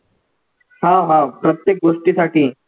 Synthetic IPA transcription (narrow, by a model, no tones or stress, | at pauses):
haɦapɾət̪jek̚ɡoːʂʈisaʈiː